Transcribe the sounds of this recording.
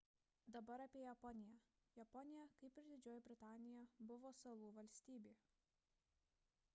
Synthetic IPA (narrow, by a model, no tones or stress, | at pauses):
d̪ɐbɐɾɐpʲiɛjɛpɔnʲɪjɛ | jɐpɔnʲɪjɛkɐɪpʲɪɾd̪ʲɪd͡ʒʲoːjɛbʲɾʲɪt̪ɑːnʲɪjɛbʊʋoːsɐlˠuːʋɐlʲsʲt̪ʲiːbʲiː